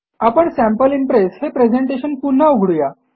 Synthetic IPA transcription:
apəɳsæ̃mpəlimpɾeshepɾed͡ʑeɳʈeɕənpun̤ːauɡʱɽuja

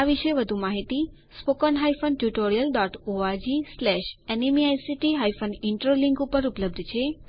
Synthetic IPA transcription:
aʋiʃeʋəd̪ʱumaɦit̪i | spokənɦajfənʈjuʈoɾijəlɖɔʈoad͡ʒislɛʃɛnimiajsiʈiɦajfəniɳʈɾoliŋkupəɾupləb̚d̪ʱt͡ʃʰe

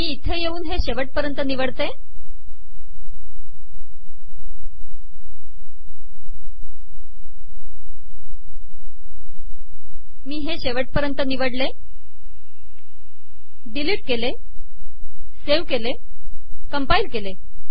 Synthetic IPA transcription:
miːit̪ʰːejeuːnɦeɕeʋəʈ̚pəɾjənt̪əniʋəɽt̪e | miːɦeɕeʋəʈ̚pəɾjənt̪əniʋəɽle | ɖiliːʈ̚kele | seʋkele | kəmpailkele

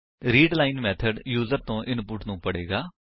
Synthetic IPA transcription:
ɾiːɖlaːɪnmɛːt̪ʰəɖjuːzəɾt̪õːʔɪnpʊʈnũːpəɽeːɡaː

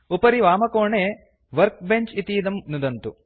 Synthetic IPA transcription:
upɐɾiʋaːmɐkoːɳeː | ʋɐɾk̚beɲt͡ʃit̪iːd̪ɐmnud̪ɐnt̪u

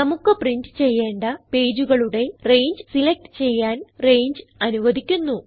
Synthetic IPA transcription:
nɐmukːɨpriɳɖɨt͡ɕe̞jːe̞ːɳɖɐpe̞ːd͡ʑuɣɐɭuɽe̞re̞jɲd͡ʑɨsilek̚ʈɨ̥t͡ɕe̞jːaːnre̞jɲd͡ʑɨɐnuʋɐd̪ikʲːunːu

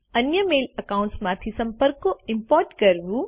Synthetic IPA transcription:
ɐnjəmeːlɐkaːʊ̃ɳʈsmãt̪ʰisɐ̃mpəɾkoɪmpɔːɾʈkɐɾʋu

